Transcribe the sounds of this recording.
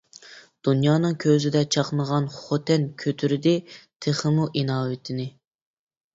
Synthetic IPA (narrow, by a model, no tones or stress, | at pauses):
d̪̥unjɑːnɨŋkʲʰøzɪd̪ɛt͡ʃʰɑqnəʁɑnχot̪ʰɛnkʲʰøt̪ʰyɾɪd̪ɪt̪ʰeχəmuʔinɑːwɪt̪ʰɪnɪ